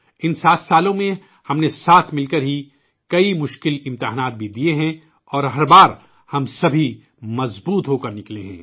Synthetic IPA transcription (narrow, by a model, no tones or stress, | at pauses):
ɪnsaːt̪saːlõmẽ | hɐmnesaːt̪ʰmɪlkɐɾɦi | kɐimʊʃkɪlɪ̃mt̪ɪɦaːnaːt̪̚bʱid̪ieɦɛ̃ | ɔːɾɦɐɾbaːɾ | hɐmsɐbʱi | mɐzbuːt̪ɦokɐɾnɪklẽɦɛ̰̃ː